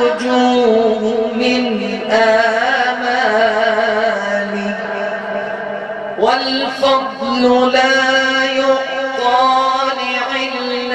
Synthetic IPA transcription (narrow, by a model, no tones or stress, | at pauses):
ʊd͡ʒuːɦʊmɪn | ʔaːma | lɪ | walfɑd̪ˤlʊlaːjʊt̪ːɑːlɪʕɪl